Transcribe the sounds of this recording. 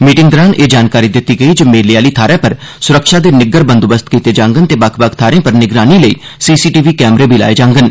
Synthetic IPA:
miːʈɪŋɡd̪əɾaːnʔeːd͡ʒaːnkaːɾiːd̪ɪt̪ːiːɡəiːd͡ʒomeːliaːliːt̪ʰaːɾẽːpəɾ | sʊɾəkʃaːd̪eːnɪɡəɾbənd̪ʊbəst̪kiːt̪eːd͡ʒãːŋɡənt̪eːbəkʰbək̚ʰt̪ʰaːɾẽːpəɾnɪɡɾaːniːləḭːsiːsiːʈiːʋiːkɛːmɾeːbʱiːla̰ːeːd͡ʒãːŋɡən

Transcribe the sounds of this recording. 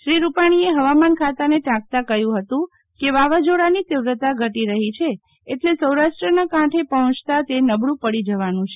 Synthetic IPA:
ʃɾiɾupaɽ̃ieɦəʋamankʰat̪aneʈãk̚t̪akəjũɦət̪ũ | keʋaʋad͡ʒoɽanit̪ɪʋɾət̪aɡʱəʈiɾəɦit͡ʃʰeː | ʈlesəwɾaʃʈɾənakãʈʰepəɦɔ̃t͡ʃt̪at̪enəbɽũpəɽid͡ʒəʋanũt͡ʃʰe

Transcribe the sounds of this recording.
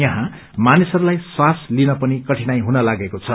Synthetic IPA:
jʌɦã | manisʌɾulajswaslinʌpʌnikʌʈʰinajɦunʌlaɡekot͡sʰʌ

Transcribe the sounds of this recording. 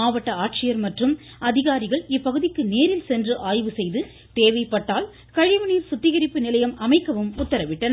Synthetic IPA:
aːʋɐʈːɐaːʈ̚t͡ʃɪjɐɾmɐʈrɯm | ɐðɪɣaːɾɪɣɐɭɪpːɐɣɯðɪkːɯneːɾɪlsɛndrɯʔaːjʋɯsɛjðɯ | t̪eːʋɐɪpːɐʈːaːl | kɐɻɪʋɐniɾsʊt̪ːɪɣɐɾɪpːɯnɪlɐjɐmʔɐmɐɪkːɐʋɯmʊt̪ːɐɾɐʋɪʈːɐnɐ

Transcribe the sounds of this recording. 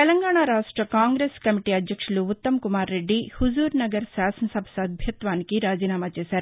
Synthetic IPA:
t̪ɛlɐŋɡaːɳaːɾaːʂʈɾɐkaːŋɡɾeːskɐmiʈiːɐd̪jɐkʂuluut̪ːɐmkumaːɾːe̞ɖːihuzuːɾnɐɡɐɾsaːsɐnɐsɐbʱɐ̥sɐd̪̚bʱjɐt̪ʋaːnikiɾaːd͡ʒiːnaːmaːt͡ʃeːsaːɾu

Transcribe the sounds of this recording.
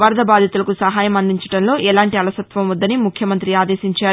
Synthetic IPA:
ʋɐɾd̪ɐbaːd̪ʱit̪ulɐkusɐɦaːjɐmɐnd̪iɲt͡ʃɐ̥ʈɐnlo̞ːʔɛlaːɳʈiɐlɐsɐt̪ʋɐmʋɐd̪ːɐnimukʰjɐmɐnt̪ɾiaːd̪eːsiɲt͡ʃaː

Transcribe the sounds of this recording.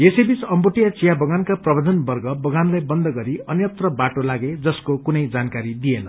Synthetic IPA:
esebit͡sʌmbuʈijat͡sijabʌɡankaprʌbʱʌd̪ʱʌnbʌrɡʌbʌɡanlajbʌnd̪ʌɡʌɾiʌnjʌt̪rʌbaʈolaɡed͡zʌskokunʌjd͡zankaɾid̪ienʌ

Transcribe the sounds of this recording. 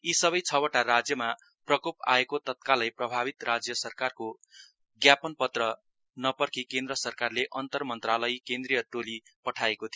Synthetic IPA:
isʌβʌjt͡sʰʌwʌʈaɾad͡zjʌma | prʌkopa̰ekot̪ʌt̪̚kalʌjprʌbʱabit̪rad͡zjʌsʌrkarko | ɡjapʌnpʌt̪rʌ | nʌpʌrkikend̪rʌsʌrkarleʔʌnt̪ʌrmʌnt̪ralʌjkend̪rijʌʈolipʌʈʰaekot̪ʰijo

